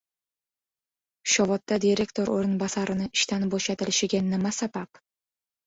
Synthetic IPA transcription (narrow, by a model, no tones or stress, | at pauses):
ʃɒvɒt̪ːad̪iɾe̞kʲt̪ʰo̞ɾo̰ɾɪnbasaɾɪnɪɪʃt̪anboʃat̪ɪlɪʃɪɡʲanɪmasabap